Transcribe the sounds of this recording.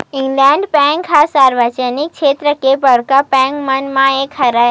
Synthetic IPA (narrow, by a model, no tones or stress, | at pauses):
ɪ̃ŋɡlɛ̃ɳɖpɛ̃ŋkʰasaːɾʋət͡ʃənik̚kʃeːt̪ɾəkebəɽkapɛ̃ŋkmənmãekʰəɾae